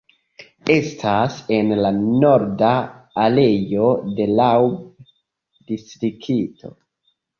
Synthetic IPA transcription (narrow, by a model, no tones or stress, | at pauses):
e̞stʰase̞nlano̞ɾdaːle̞jo̞de̞lawb | distɾikʰitʰo̞̰